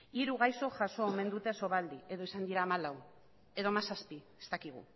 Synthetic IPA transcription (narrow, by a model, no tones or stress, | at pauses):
iɾuɣajso̞ʝaso̞ome̞nd̪ut̪e̞so̞βald̪ie̞ðo̞isand̪iɾaːmalaw | e̞ðo̞masaspie̞̥st̪akiɣ̞ṵ